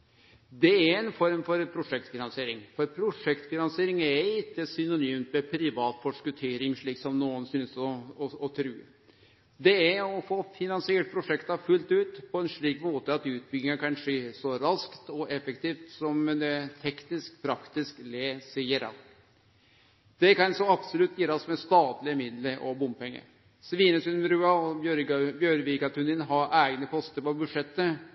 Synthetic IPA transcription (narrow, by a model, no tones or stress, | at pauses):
d̪ɛæɾɛnfɔɾmfɔɾpʰɾʊʂɛkt̪fɪnɑnsɪeːɾɪŋfɔɾpʰɾʊʂɛkt̪fɪnɑnseːɾɪŋæɾɪt̪ːəsʏnʊnyːmt̪mɛpʰɾɪʋɑːt̪fɔʂkʉt̪ʰeːɾɪŋʂɭiːksɔmnuːənsyːnsɔɔt̪ʰɾʉː | d̪ɛæɾɔfoːfɪnɑnsɪeːʈ̚pʰɾʊʂɛkt̪ɑfʉlt̪ʉːt̪pʰɔɛnʂɭiːkmoːt̪əɑt̪ʉːt̪̚bʏɡɪŋəkʰɑnʂeːsɔɾɑskt̪ɔʔɛfəkt̪ʰiːft̪sɔmd̪ɛt̪ʰɛknɪskpʰɾɑkt̪ɪskleːsɪəɾɑ̰ | d̪̥ɛkɑnsɔɑbsʊlʉt̪ʰːjiːɾɑsmɛst̪ɑːt̪lɪəmɪd̪ləɾɔ̰bʊmpɛŋːə̰ɾ | sʋiːnəsʉnmɾʉːɑɔbjœɾʋiːkɑt̪ʰʉnɪnɦɑɾʔæːɡnəpʰɔst̪əɾpɔbʉd̪ʂɛt̪ːə